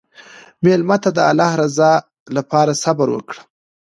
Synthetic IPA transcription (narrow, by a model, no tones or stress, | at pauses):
melmat̪ad̪əa̰lɑhɾazɑ | lapɑɾasabaɾwə̰kɽə